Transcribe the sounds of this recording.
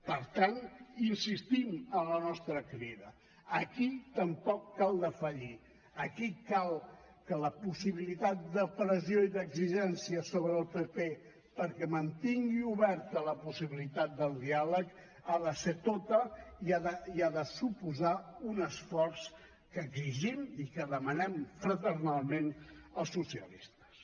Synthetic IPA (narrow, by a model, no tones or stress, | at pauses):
pəɾt̪aninsist̪imənlənɔst̪ɾəkɾiðə | əkit̪əmpɔkːalˠd̪əfəʎi | əkikalˠ | kələpusiβilit̪at̪̚d̪əpɾəzioiðəɡziʒɛnsiəsoβɾəːlˠpepe | pəɾkɛmənt̪iŋɡiuβɛɾt̪ələpusiβilit̪at̪̚d̪əlˠd̪ialək | aðəset̪ot̪əiaðəiaðəsupuzaunəsfɔrs | kəːɡziʒimikəðəmənɛmfɾət̪əɾnalˠmenəlˠsusiə̰list̪ə̥s